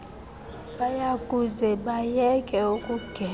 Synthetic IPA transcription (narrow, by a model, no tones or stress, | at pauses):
ɓajakʼuzɛɓajɛkʼɛukʼuɡ̥ʱɛ